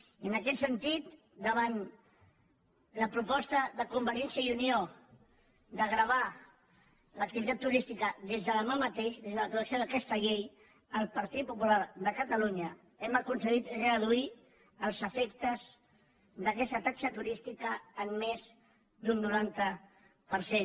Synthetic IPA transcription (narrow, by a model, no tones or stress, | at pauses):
iənəkɛt̪sənt̪it̪ | d̪əβ̞an | ləpɾupɔst̪əðəkumbəɾiɛnsjəiunio | d̪əɣɾəβ̞a | lək̚t̪iβit̪at̪ːuɾist̪ikəðezðələmamət̪eʃðezðələkuəsioðəkɛst̪əʎej | əlˠpəɾt̪it̪̚pupulaɾðəkət̪əluɲə | ɛməkunsəɣit̪rəðui | əlˠzəfɛkt̪əz | ðəkɛst̪ət̪aksət̪uɾist̪ikəːmːez | d̪unːuɾant̪ə | pəɾsen